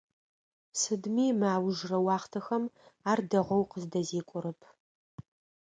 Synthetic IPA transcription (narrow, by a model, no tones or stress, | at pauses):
sɨdmiːmaːwʒrɐwɑːχtʰɐxɐmaːrdɐʁʷɔwqəzdɐzeːkʷʼʊɾɨpʰ